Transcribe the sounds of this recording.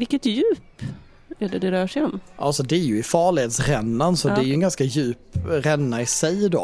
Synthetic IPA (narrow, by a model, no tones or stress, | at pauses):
vɪkːət̪jʉ̟ːp | æɖɛd̪ɛɾœːʂɛɔmʔalsɔd̪ɛæɾjɵɪfɑːɭɪheːt̪sɾɛnːansɔd̪ɛæɾjʉɛnɡanskajʉ̟ːpɾɛnːaɪsɛjd̪o̰